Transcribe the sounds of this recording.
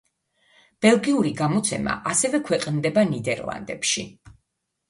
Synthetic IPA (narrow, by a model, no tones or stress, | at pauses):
b̥ɛlˠɡiuɾiɡamɔt̪sʰɛma̰ʔasɛvɛkʰwɛqʼnd̪ɛbanid̪ɛɾlˠa̰nd̪ɛ̰pʃi